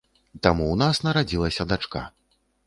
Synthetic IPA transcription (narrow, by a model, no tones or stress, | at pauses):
t̪amuwnasnɐɾad͡zʲilˠɐsʲɐd̪at͡ʂka̰